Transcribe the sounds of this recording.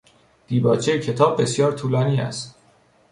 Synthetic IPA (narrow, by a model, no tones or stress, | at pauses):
d̪̥iːbɒːt͡ʃʰejecʰe̞t̪ʰɒːbːe̞sjɒːɾt̪ʰuːlɒːniːæ̰st̪